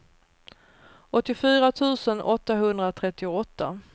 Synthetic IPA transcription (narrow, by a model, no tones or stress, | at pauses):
ʔɔt̪ːɪfyːɾat̪ʰʉ̟ːsənʔɔt̪ːaɦɵnd̪ɾat̪ʰɾɛt̪ːɪʊɔt̪ːa̰